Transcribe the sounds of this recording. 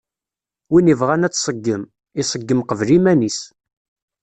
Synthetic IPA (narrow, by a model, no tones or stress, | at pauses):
winivʁanæt͡sːsˤəɡːəm | isˤəɡːəmqəvlimænis